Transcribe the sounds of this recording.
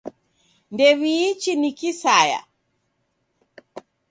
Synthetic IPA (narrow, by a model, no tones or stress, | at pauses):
ndɛβiːt͡ʃinikisaja̰